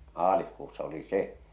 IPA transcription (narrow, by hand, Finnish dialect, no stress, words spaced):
mɑːlihkuːsːɑ oli se